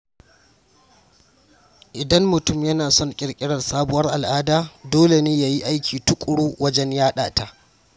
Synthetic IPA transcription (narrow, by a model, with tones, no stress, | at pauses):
ʔɪ˨dɐ˦mːʊ˨tʊ˦˨mjɐ˦naː˨sɔ˦˨ŋkʲʼɪ˨ɽkʲʼɪ˦ɽɐ˨rsaː˦bʊ˨wɐ˦rʔa˨lʔaː˦daː˨doː˦le˨neː˦jaː˨ji˦ʔa˦jkʲiː˨tʊ˦kʷʼʊ˨ɽuː˦wɐ˦d͡ʒɛ˦njaː˦ɗa̰ː˨ta˨ʔ